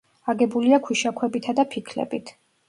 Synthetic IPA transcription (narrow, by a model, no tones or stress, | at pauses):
aɡɛbuliakʰwiʃakʰwɛbit̪ʰad̪apʰikʰlɛ̰bit̪ʰ